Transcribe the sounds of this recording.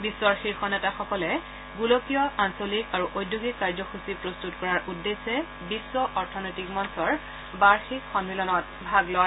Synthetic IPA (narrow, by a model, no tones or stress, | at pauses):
bisːɔɹxiɹxɔnɛtaxɔkɔlɛ | ɡulokijɔansolikaɹuʔojdʱːuɡikːaɹzɔxusipɹostutkɔɹaɹʔudːesɛ | bisːɔʔɔɹtʰɔnɔjtikmɔnsɔɹ | baɹxikxɔnilɔnɔt̚ | bʱaɡlɔ